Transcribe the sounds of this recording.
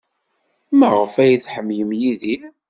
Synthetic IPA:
məʁəfæjiθħəmːjəmjiði

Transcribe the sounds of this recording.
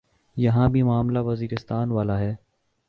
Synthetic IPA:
jɐɦãbʱimʊaːmlaʋɐziːɾɪst̪aːnʋaːlaɦɛː

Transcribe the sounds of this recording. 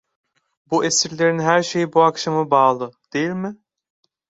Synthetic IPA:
buʔesiɾlʲeɾinɦæɾʃejibuakʃamɯbaːlˠɯd̪̥ejilʲmɪ

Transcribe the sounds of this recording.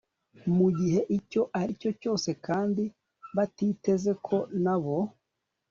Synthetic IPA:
muɟiɦe̞ʔico̞ʔaɾico̞co̞ːse̞kaːndi | βatiːte̞ze̞kʰo̞naβo̞

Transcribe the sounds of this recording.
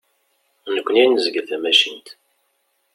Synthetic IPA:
nəkʷːəninəzəɡəlθæmæʃint̪

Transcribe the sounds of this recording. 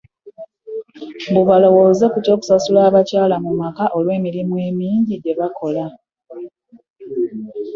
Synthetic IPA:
buβalo̞wo̞ːze̞kuto̞ːku̥sasulaːβacaːlamumakaʔo̞lwe̞ːmiɾimwe̞ːmiːɲɟiɟe̞βako̞la

